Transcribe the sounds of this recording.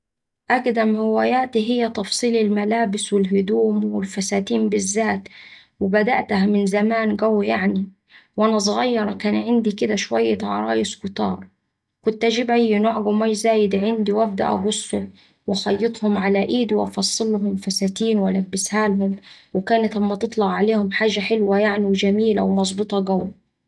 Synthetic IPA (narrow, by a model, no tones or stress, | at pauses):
ʔakd̪amhɪwaːjaːt̪iɦɪjːat̪ɑfsˤiːlɪlmalaːbɪswɪlɦʊd̪uːmwɪlfasaːt̪iːmbɪzːaːt̪ | wɪbad̪a̰ʔt̪hamɪnzamaːnɡawːjaʕni | wʔanas̬ˤɣɑjːɑɾˤɑkaːnʕɪnd̪ikɪd̪aʃwajːat̪ʕɑ̰ɾˤɑ̰ːjɪskʊt̪ɑ̰ːɾˤ | kʊnt̪ʔad͡ʒiːbʔajːɪnoːʕɡʊmaʃzaːjɪd̪ʕɪnd̪iwʔæb̚d̪a̰ʔɡʊsˤːʊ | wɪxɑjːɨt̪ˤhʊmʕalaʔiːd̪wʔɑfɑsˤːɨlːhʊmfasaːt̪iːnwʔalabːɪshaːlɦʊmwɪkaːnat̪lamːæt̪ɨt̪ˤlɑɣʕaleːhʊmħaːʒaħɪlwajaʕniwɪd͡ʒamiːla̰wmɑzˤbɨt̪ˤɑɡaw